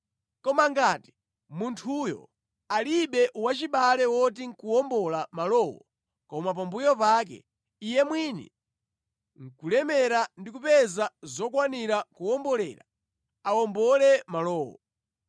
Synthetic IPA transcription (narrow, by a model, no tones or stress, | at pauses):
kɔmaŋɡaːti̥ | muntʰujɔ̰ | aliɓɛʔwat͡ʃiɓalɛwɔt̬iŋkuɔmbɔlamalɔːwɔ | kɔmap̬ambujɔpaːk̬ɛ̰ | ijɛmwinɛ̰ | ŋ̩kulɛmɛɾandikupɛzazɔkwaniɾakuɔmbɔlɛ̰ːɾa | awɔmbɔlɛmalɔːwɔ̰